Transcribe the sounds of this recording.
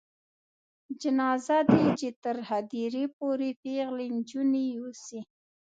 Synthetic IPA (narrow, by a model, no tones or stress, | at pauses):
d͡ʒɪnɑzad̪ed͡ʒet̪əɾhad̪iɾepoɾepeɣlend͡ʒuniusi